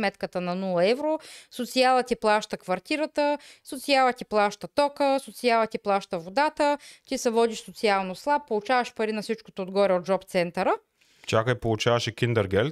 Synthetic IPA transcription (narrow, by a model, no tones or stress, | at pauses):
mɛt̪kət̪ənɐnulˠɐɛvɾosot̪sialˠət̪ʲiplˠaʃt̪əkvɐɾt̪iɾət̪əsot̪sialˠət̪iplˠaʃt̪ət̪ɔkəsot̪sialˠət̪iplˠaʃt̪əvod̪at̪ət̪ʲisɛvɔd̪iʃsot̪sialˠnoslˠap̚ːolˠut͡ʃavɐʃpɐɾinɐfsit͡ʃko̥t̪oːd̪ɡɔɾʲɛod̪d͡ʒɔpt̪sɛnt̪əɾə | t͡ʃakəipolˠut͡ʃavɐʃɛkʲind̪ɛɾɡɛlʲ